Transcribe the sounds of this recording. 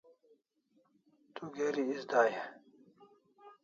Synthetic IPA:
t̪uɡeɾiisd̪aːje

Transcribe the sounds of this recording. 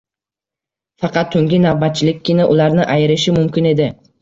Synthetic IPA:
fɑqɑt̪ʰːɵŋɡʲɪnavbat̪̚t͡ʃʰɪlɪk̚ʲʰːɪnaʔʊlaɾnɪʔajɪɾɪʃɪmʊmkʲɪne̞d̪ɪ

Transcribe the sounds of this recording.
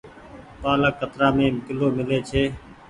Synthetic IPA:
paːləkːət̪ɾaːmẽːmkɪloːmɪleːt͡ʃʰeː

